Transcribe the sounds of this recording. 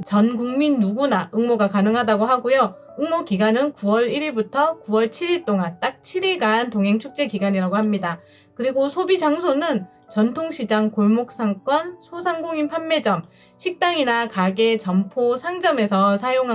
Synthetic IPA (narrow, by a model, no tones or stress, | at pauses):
t͡ɕʌnɡuŋminːuɡunaʔɯŋmoɡakanɯŋɦadaɡoɦaɡojo | ɯŋmokiɡanɯnkuwʌɾiɾiɭbutʰʌkuwʌɭt͡ɕʰiɾiɭt͈oŋant͈ak̚t͡ɕʰiɾiɭɡantoŋɦe̞ŋt͡ɕʰuk̚t͡ɕ͈e̞kiɡaɲiɾaɡoɦamɲida | kɯɾiɡosʰobid͡ʑaŋsʰonɯn | t͡ɕʌntʰoŋɕʰid͡ʑaŋkoɭmok̚s͈aŋk͈wʌnsʰosʰaŋɡoŋinpʰamːe̞d͡ʑʌm | ɕʰik̚t͈aŋinakaɡe̞t͡ɕʌmpʰosʰaŋd͡ʑʌme̞sʰʌsʰajoŋɦa